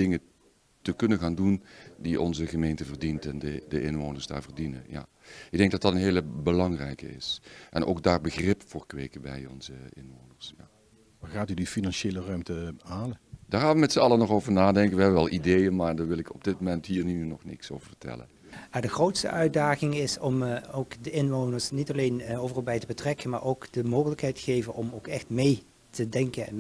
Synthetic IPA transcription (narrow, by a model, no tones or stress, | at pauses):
dɪŋə | təkɵnənɣaːndundiʔɔ̰nzəχəmejntəvərdintɛndədəʔɪnʋoːnəɹsda̰ːɹvəɹdinə̰nja̰ | ɪɡ̚dɛŋk̚dɑtdɑtənɦeːləbəlɑŋrɛ̰jkə̰ɪ̰sʔɛnʔo̰wk̚daːɹbəɣrɪpfʊːɹkʋeːkəbɛ̰jɔ̰nzəɪnʋownəɹsja | ʋaːχaːtydifinɑnʃeːlərœɥmtəaːləd̥aːɹxaːnʋəmɛtsəɑlənɔχowvəɹnaːdɛŋkənʋəɦɛbəʋɛlˠʔidejənmaːɹdaːɹʋɪlˠɪkʰɔb̚dɪt̚momɛntɦiːrnynɔχnɪ̰ksoːwvəɹvə̥tɛ̰lə̰n | jaːdəxrowtstə̰ʔœɥdaːɣɪŋɪsɔmowkdəɪnʋonəɹsnitɑlejnowvərɑlˠbɛjtəbətrɛkənmaːɹowkd̥əmowɣələkɦɛjtə̥ɣejvənɔmowkɛxtmej | tədɛŋkənɛ̰n